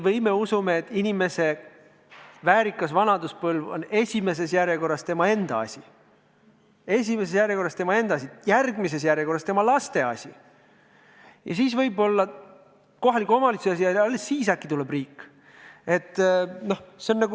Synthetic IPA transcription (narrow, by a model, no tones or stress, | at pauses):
vɤjme̞usumeet̪ːˑinʲime̞se̞ | væːɾikːˑɑsvɑnɑd̪uspɤlvo̞̰ne̞sʲime̞s̬e̞sjæɾjeko̞rːɑst̪e̞mɑe̞nd̪̥ɑɑ̰sʲi | e̞s̬ʲime̞s̬esjæɾjeko̞rːˑɑst̪emɑe̞nd̪ɑɑsijærɡmis̬e̞s̬jæɾjeko̞rːɑst̪e̞mɑlɑst̪e̞ɑ̰sʲi | jɑ̰siːsvɤjbo̞lːɑ | ko̞ɦɑlikːˑuo̞mɑlit̪suɑs̬iɑɑlːesːiːs̬ɑkːit̪uleb̥riːkːˑ | e̞t̪ːˑno̞hseonːɑɡu